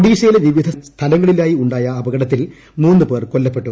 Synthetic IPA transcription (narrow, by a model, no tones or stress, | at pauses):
ɽiːɕɐjilɐʋiʋid̪ʱɐst̪ʰɐlɐŋːɐɭilaːjiuɳɖaːjɐːbɐɡɐɽɐt̪ːil | muːnːɨpe̞ːrkolːɐpːe̞ʈːu